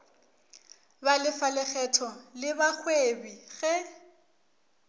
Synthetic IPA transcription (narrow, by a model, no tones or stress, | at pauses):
balɪfalɛχɛtʰɔlɪbak͡xʰwebiɣɛ